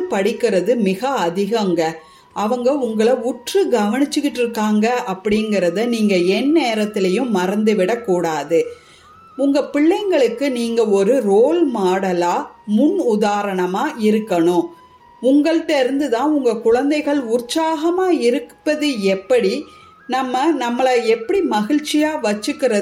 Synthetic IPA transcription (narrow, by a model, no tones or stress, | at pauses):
ɯpɐɽɪkːɪɾɐðɯmɪɣɐɐðɪɣɐŋɡɐ | ʔɐʋɐŋɡɐʊŋɡɐɭɐʊʈrɯɡɐʋɐɳɪt͡ʃːɯkːɪʈːɪɾɯkːaːŋɡɐʔɐpːɐɽɪŋɡɪɾɐðɐniːŋɡɐɛnːeːɾɐt̪ːɪlɐjɯ̃mːɐɾɐnd̪ɯʋɪɽɐkːuːɽaːðɯ | ʊŋɡɐpɪɭːɐɪŋɡɐɭɯkːɯniːŋɡɐɔɾɯɾoːlmaːɽɐlaːmʊnʊðaːɾɐɳɐmaːʔɪɾɯkːɐɳʊ̃ | ʊŋɡɐɭʈːɐɾɯnd̪ɯt̪ãːʊŋɡɐkʊɻɐnd̪ɐɪɣɐɭʊɾsaːɣɐmaːɪɾɯkpːɐðɯɛpːɐɽi | nɐmːɐnɐmːɐɭɐɛpːɐɽimɐɣɪɻt͡ʃɪjaːʋɐt͡ʃːɯkːɪɾɐ